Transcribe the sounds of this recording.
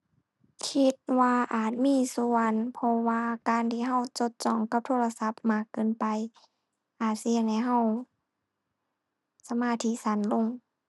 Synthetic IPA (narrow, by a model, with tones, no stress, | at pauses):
kʰi˧˥t̪̚waː˧ʔaː˨˩t̪̚miː˧˥˨su˧˨ənpʰɔ˧waː˧kaː˨˧nt̪ʰiː˧ɦa˧˨wt͡ɕo˧˦t̪̚t͡ɕɔː˧˩ŋka˧p̚t̪ʰoː˧˥˨la˧sa˧˦p̚maː˧˥˩kːɯː˧˨npa˨j | ʔaː˨˩t̪̚si˧ə˨ŋha˧˩jɦa˧˩˨w | sa˧maː˧˩t̪ʰiː˧˥sa˧˦nlo˧˩˨ŋ